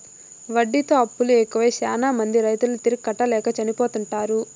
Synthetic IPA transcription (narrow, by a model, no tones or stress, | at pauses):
ʋɐɖːit̪o̞ːɐpːuluɛkɐʋɐjʃaːnaːmɐnd̪iɾɐjt̪ulut̪iɾikkːɐʈːɐlɛːkɐt͡ʃɐnipo̞ːt̪uɳʈaːɾu